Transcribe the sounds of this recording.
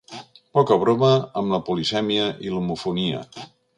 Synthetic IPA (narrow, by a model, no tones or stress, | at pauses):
pɔkəβ̞ɾoməəmləpulisɛmiəʔilumufuniə̰